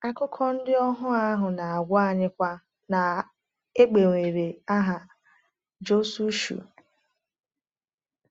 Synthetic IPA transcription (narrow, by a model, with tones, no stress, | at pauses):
a˦kʊ˦kʰɔ˦n̩˦dɪ˦ɔ˦ɦʊ˦a˦ɦʊ˨na˨a˨ɡʷɔ˦a˨ɲɪ˦kʷa˦ | na˨ | e˦k͡pe˨ŋʷe˨ɾe˨a˦ɦa˨ | d͡ʒo˦su˦ʃṵ˨